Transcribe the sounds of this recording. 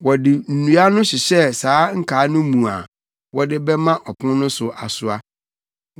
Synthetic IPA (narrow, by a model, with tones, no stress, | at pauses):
wɔ˨dɪ˨n̩˨nũ˨a˦nʊ̃˦ɕɪ˨ɕɛ˦saː˨˦ŋ̩˦kʰaː˨˦nʊ̃˦mũ˨a̰˨ | wɔ˦dɪ˦bɛ˦mã˦ʔɔ˨pʰʊ̃˦nʊ̃˦sʊ˨ʔa˨sʊ˦a˦